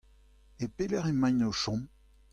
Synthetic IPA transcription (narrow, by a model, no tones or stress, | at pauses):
epelɛʁimajnoʃɔ̃m